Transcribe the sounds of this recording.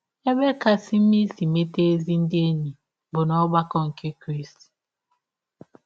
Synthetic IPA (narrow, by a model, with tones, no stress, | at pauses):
e˦be˦ka˨si˦m̩˦mi˦si˨me˦te˦e˦zi˦n̩˦dɪ˦e˦ni˨ | bʊ˨nɔ˦ba˦kɔ˦ŋ̩˨ke˦kɾi˦st